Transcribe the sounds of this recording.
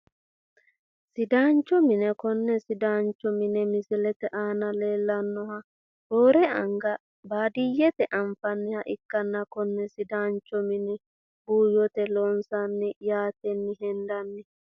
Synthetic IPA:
sɪd̪aːnt͡ʃːɔmɪnɛkɔnːɛsɪd̪aːnt͡ʃːɔmɪnɛmɪsɪlɛt̪ɛʔaːnɐle̞ːlːɐnːɔhɐ | b̥oːɾɛɐŋɡɐ | baːd̪ɪjːɛt̪ɛʔɐɱfɐnːɪhɐʔɪkːɐnːɐkɔnːɛsɪd̪aːnt͡ʃːɔmɪnɛ | buːjɔt̪ɛloːnsɐnːɪjaːt̪ɛnːɪɦɛnd̪ɐnːɪ

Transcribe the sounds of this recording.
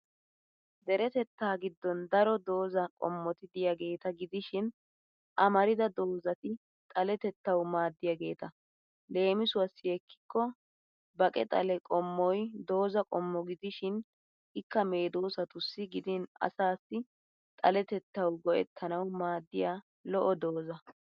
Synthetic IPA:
d̪ɛɾɛt̪ɛt̪ːaːɡɪd̪ːɔnd̪ɐɾɔd̪o̞ːzɐkʼɔ̰mːɔt̪ɪd̪ɪjaɡe̞ːt̪ɐɡɪd̪ɪʃɪn | ʔɐmɐɾɪd̪ɐd̪o̞ːzɐt̪ɪ | t̪ʼɐlɛt̪ɛt̪ːɐwmaːd̪ːɪjɐɡe̞ːt̪ɐ | le̞ːmɪsʊwɐsːɪjɛkʰːɪ̥kːɔ | bɐkʼɛ̰t̪ʼɐ̰lɛkʼɔmːɔjd̪o̞ːzɐkʼɔmːɔɡɪd̪ɪʃɪn | ʔɪkːɐme̞ːd̪oːsɐt̪ʊsːɪɡɪd̪ɪnɐ̰saːsːɪ | t̪ʼɐlɛt̪ɛt̪ːɐwɡɔʔɛ̰t̪ʰːɐnɐwmaːd̪ːɪjaː | lɔʔɔd̪o̞ːzɐ

